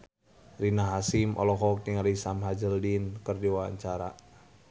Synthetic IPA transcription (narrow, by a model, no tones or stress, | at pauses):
rinaɦasimʔɔ̰lɔɦɔk̚diŋaɾisamɦad͡ʒəldinkərdiwawa̰ɲt͡ʃaɾa̰